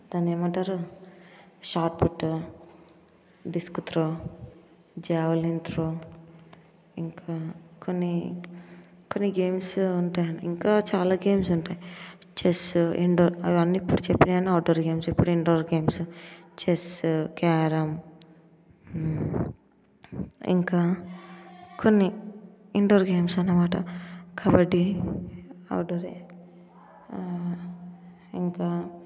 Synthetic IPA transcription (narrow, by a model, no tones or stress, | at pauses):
d̪aːneːmɐɳʈaːɾu | ʃaːʈpuʈːu | ɖiskut̪ɾo | d͡ʒɛːʋɐlint̪ɾoː | iŋkʰaːkonːi | konːiɡeːmsuɳʈaːjɐniiŋkaːt͡ʃaːlaːɡe̞ːmsuɳʈaːjit͡ʃesuiɳɖoːɾɐʋiʋɐnːiːpːuɽut͡ʃepːinɐniaːɖɐɾɡe̞ːmsipːuɽuiɳɖoːɾɡe̞ːmsut͡ʃeskaːɾɐm | ḭŋkaː | konːiiɳɖoːɾɡe̞ːmsɐnːɐmaːʈɐ̰kʰaːbɐʈːi | ɐ̰wɖoɾe | iŋkaː